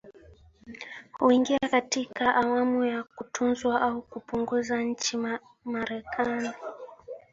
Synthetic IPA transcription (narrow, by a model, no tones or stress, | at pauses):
huiŋɡiakatikaʔawamujakutʰunzwaʔaukupuŋɡuzaɲ̩t͡ʃi | maɾɛkʰani